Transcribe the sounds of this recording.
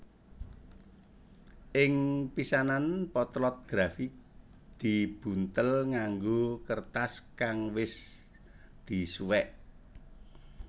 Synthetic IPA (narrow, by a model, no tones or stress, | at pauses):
ʔɪŋpisananpɔt̪lɔt̪̚ɡ̥ɾafik̚ | d̪̥i̤b̥ṳnt̪əlŋaŋɡokərt̪askaŋwɪs | d̪̥i̤suwɛʔ